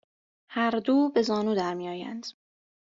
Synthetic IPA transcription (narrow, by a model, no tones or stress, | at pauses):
hæɾd̪uːbe̞zɒːnuːd̪æɾmiːjɒːjæ̰nd̪̥